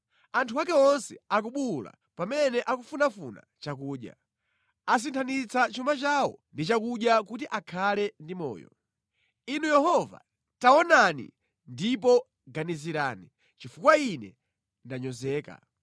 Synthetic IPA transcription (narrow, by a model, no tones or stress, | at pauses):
antʰuwakɛɔnsɛak̬uɓula̰ | pamɛnɛʔakufunafṵna̰ | t͡ʃakuːɗja̰ | as̬intʰanit͡sʰat͡ʃumat͡ʃaɔndit͡ʃakuɗjakutiʔakʰalɛndimɔ̰ːjɔ̰ | inujɛhɔva̰ | taɔnanḭ | ndipɔ | ɡaniziɾaːni | t͡ʃifukwainɛ̰ | ndaɲɔzɛːka̰